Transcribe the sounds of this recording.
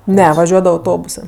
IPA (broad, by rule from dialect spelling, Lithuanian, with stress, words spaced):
ˈnʲɛ ʋɐˈʒʲuɔdɐʋɐ ɐʊˈtoːbʊsɜ